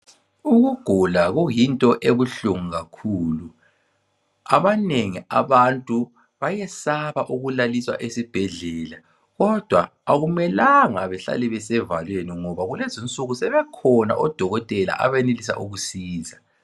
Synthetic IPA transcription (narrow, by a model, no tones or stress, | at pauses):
uɣuɡ̥ʱulaɣujintʼɔʔeβuɬuŋuɣakʰuːlu | aβaneŋiaβantʼu | βajɛsaβaʔuɣulaliswa̰ʔesib̥ʱɛɮɛːla | ɣɔd̥ʱwaːɣumɛlaŋaβɛɬa̰lɛβɛsɛvalweniŋɔβaɣulezint͡sʼuɣusɛβɛkʰɔna̰ʔɔd̥ʱɔɣɔtʼɛla̰ʔa̰βenelisa̰ʔuɣusiːza